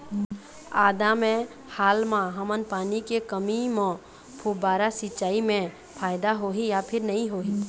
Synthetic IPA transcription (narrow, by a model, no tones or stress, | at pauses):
aːd̪amẽ | haːlmãɦəmənpaːnikekəmimõ | pʰubaːɾasɪt͡ʃːaːimẽ | pʰaːɪd̪aɦoːɦijapʰɪɾnɐɦĩɦoːɦiː